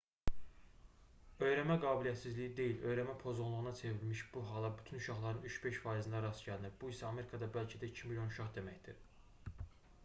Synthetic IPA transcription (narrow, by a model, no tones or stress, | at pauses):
ø̞jɾæmæɡɑːbilijæt̪sizlijid̪e̞jilø̞jɾæmæpʰo̞zunlˠuʁɯnɑt͡sʰe̞vilmiʃb̥uɦɑlˠɑbyt̪ʰynuʃɑχlˠɑɾɯnyt͡ʃbeʃfɑːizɯnd̪ɑɾɑsɟælniɾbuisæɑme̞ɾikʰɑd̪ɑbælcʰæd̪æicʰimilʲjo̞nuʃɑχd̪e̞mæçd̪iɾ